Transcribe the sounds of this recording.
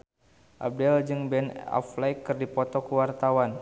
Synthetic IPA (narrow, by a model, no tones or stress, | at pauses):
ʔa̰b̚dɛld͡ʒɨŋbɛna̰flajkːɨrdipɔt̪ɔkəwart̪awan